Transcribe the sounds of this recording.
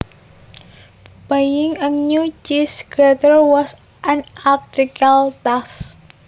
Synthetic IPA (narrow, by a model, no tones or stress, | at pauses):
pajɪŋəŋɲut͡ʃisɡɾat̪ərwɔs | ʔanak̚t̪ɾikalt̪as